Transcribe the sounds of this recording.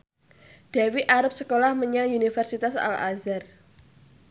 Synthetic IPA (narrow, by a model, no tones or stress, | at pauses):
d̥ɛwiʔaɾʊp̚səkolahməɲaŋunifərsit̪asa̰la̰zar